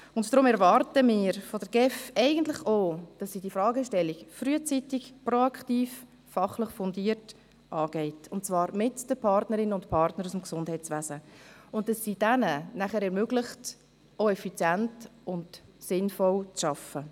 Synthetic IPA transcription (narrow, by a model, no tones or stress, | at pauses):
ʊntd̥ɾʊmɛɾvɑɾtəmɪːɾfɔdəɾɡ̥ɛfɛɪɡəntlɪχod̥ɑsːiːdiəfɾɑːɡəʃtɛlːikfryət͡sitɪkproɑkχtiːf | fɑχlɪχfɔndiːəɾt | ʔɑːɡ̥ɛɪtʊntt͡svɑːɾmɪtd̥əpʰɑɾtnəɾɪnəʊntpʰɑɾtnəɾusmksʊndhɛɪt͡sʋæːzəʊntd̥ɑsːid̥ɛnənæχəɾɛɾmøɡlɪχt | oɛfit͡sjæntʊndsɪnfɔlt͡sʃɑfə